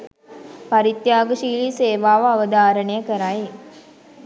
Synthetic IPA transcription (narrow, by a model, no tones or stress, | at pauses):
paɾit̪jaːɡəʃiːliːseːʋaːʋəaʋəd̪aːɾənəjəkəɾaje